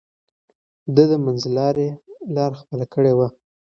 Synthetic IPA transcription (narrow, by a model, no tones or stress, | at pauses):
d̪əd̪əmanzlɑɾelɑɾxpəlakəɽewa